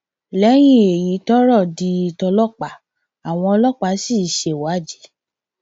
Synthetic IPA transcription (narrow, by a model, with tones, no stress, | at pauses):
lɛ˨˦j̃ĩ˦e˨ji˨˦tɔ˦ɾɔ˦˨di˧˦i˧tɔ˧lɔ˦˨k͡pa˨ | a˨w̃ɔ̃˧ɔ˧lɔ˦˨k͡pa˨˦si˦˨ʃe˨wa˨˦˨d͡ʒi˨˦